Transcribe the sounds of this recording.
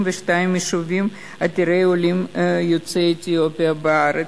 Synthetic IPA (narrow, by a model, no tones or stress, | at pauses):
mveʃtaimjiʃuvim | at̪iɾejolimjot͡seːt̪ijopiabeaɾe